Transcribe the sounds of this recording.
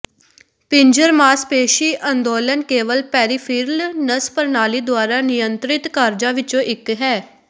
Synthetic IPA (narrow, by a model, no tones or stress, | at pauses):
pɪ̃ɲd͡ʒəɾmaːspeːʃiːʔənd̪oːlənkeːʋəlpɛːɾiːpʰɪɾlnəspəɾnaːliːd̪ʊaːɾaːnɪjənt̪ɾɪt̪kaːɾd͡ʒãːʋɪt͡ʃõːʔɪkɦɛː